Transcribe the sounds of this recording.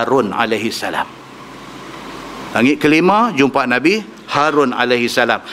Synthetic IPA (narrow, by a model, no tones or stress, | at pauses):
ɾʊna̰leɦisːala̰m | laŋɪʔ̪̚kəlimãd͡ʒumpaʔnabi | haɾʊna̰lehisːalam